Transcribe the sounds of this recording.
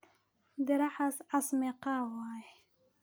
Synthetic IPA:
d̪əɾaħasasmeqawɑj

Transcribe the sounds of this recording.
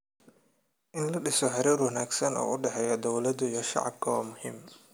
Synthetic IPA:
ʔɪnlɐɖɪsɔħɪɾiːrwɐnaːɡsɐnɔ̰ːʔʊɖɛħɛjɔd̪ɔwlɐd̪ʊijɔʃɑ̰ʕɑ̰b̚kʰɐwaːmʊhḭːm

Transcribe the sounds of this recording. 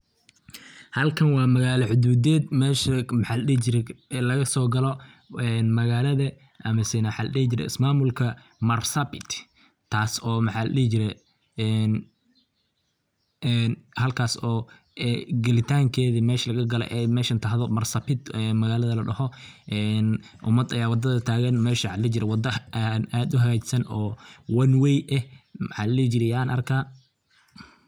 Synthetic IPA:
hɐlkʰɐnwɑːmɐɣaːlɐʕʊd̪uːd̪ɛːd̪mɛːʃɐmħaːlɐɗiht͡ʃɪɾɛlɐɣɐsɔːɡɐlɔ | ɛnmɐɣaːlɐðɐ | ʔɐmɐsɛnɐmħaːlɐɗihɪt͡ʃɪɾɛ̰ɪ̰smaːmʊlkʰɐ | mɐrsɐpɪt̪ʰ | t̪ʰːaːsɔːmɐħaːlɐ̰ɗihɪt͡ʃɪɾɛ | n | nhɐlkʰaːsɔː | ɛɡɐlɪt̪ʰaːŋkʰɛːðimɛːʃlɐɣɐɡɐlɛ̰ʔɛmɛːʃɐnt̪ʰɐɦðɔmɐrsɐpɪd̪ɛmɐɣaːlɐðɐlɐɖɐhɔʔɛn | ʔʊmɐd̪ɐjaːwɑd̪ɐðɐt̪ʰaːɣɐnmɛːʃɐʕɑd̪lːɪt͡ʃɪɾɛwɑd̪ɐnaːd̪ʊɦɐɣaːt͡ʃɪ̥sɐnɔːwɐnwɛjʔɛmɑħɑ̰ːlɐlɛːt͡ʃɪɾɛjaːnʔɐ̰rkʰaː

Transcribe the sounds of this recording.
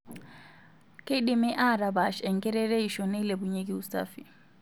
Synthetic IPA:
keɗimɛʔaɾabaʃɛŋkɛɾɛɾejʃɔnɛlebuɲeɡiusta̰fi

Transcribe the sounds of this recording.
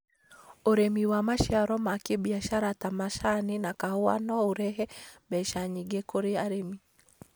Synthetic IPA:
oɾemiwamaʃjaɾɔmakebiaʃaɾatamaʃanɪnakahwa̰nɔoɾɛɦɛbɛʃaɲiɡekoɾeaɾemi

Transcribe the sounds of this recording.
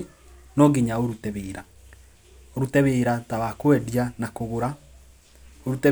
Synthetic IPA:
nɔɡeɲaoɾutɛβeɾa | oɾutɛβeɾataβakoɛdjanakoɣoɾa | oɾutɛ

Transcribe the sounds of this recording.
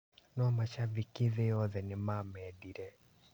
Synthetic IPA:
nɔmat͡ʃavikɪðɪɔðɛnɪmamɛdiɾɛ

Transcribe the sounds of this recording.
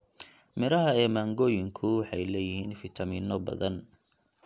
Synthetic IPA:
mɪɾɐɦɐɛːmaːŋɡɔːjɪŋkʰʊħɑjlɛːjɪɦhiːnfɪt̪ʰɐmiːnːɔbɐ̰ðɐn

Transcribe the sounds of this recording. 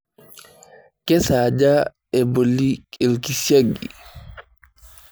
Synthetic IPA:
kɛsaːd͡ʒa | ɛbolːikʼelkisaɡḭ

